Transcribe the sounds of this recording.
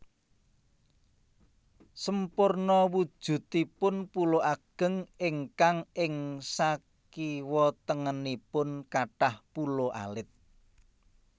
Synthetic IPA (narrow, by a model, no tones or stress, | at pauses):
səmpʊrnɔwud̥ʒ̥ṳt̪ipʊnpuloʔaɡ̥ə̤ŋɪŋkaŋʔɪŋsa | kiwɔt̪əŋənipʊnkaʈahpuloʔa̰lɪt̪̚